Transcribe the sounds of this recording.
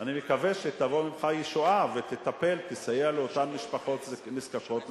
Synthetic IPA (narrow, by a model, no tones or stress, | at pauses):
animekaveʃet̪avo̞mimχajiʃoavet̪et̪ape̞lt̪esajealeot̪amːiʃpaχo̞t̪zniskako̞t̪